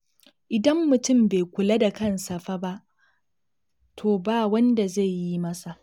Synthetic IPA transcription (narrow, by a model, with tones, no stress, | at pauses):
ʔɪ˨dɐ˦mːʊ˨tʊ˦˨mbe˨kʷʊ˨la˦da˨kɐ˦nsɐ˨ɸa˦ba˦ʔ | tʰoː˨baː˦wɐ˦nda˨ze˦˨jjːi˦mɐ˦sa˨ʔ